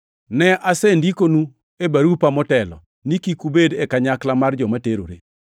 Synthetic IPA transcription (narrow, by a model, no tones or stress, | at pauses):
nɛʔasendikonu | ebaɾupamɔtɛlɔ̰ | nikikubedɛkaɲaklamard͡ʒɔmateɾo̰ɾḛ